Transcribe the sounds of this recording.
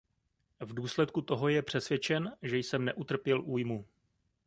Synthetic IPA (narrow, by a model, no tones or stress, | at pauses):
vduːslɛt̪̚kut̪o̞ɦo̞jɛpr̝̥ɛsvjɛt͡ʃɛnʒɛjsɛmnɛʔut̪r̩pjɛlʔuːjmu